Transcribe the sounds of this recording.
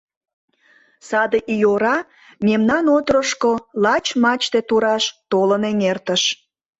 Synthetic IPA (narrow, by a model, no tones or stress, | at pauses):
sɑd̪eʔijoɾɑ | memnɑnot̪ɾəʃkolɑt͡ɕmɑt͡ɕt̪et̪uɾɑʃt̪oləneŋert̪əʃ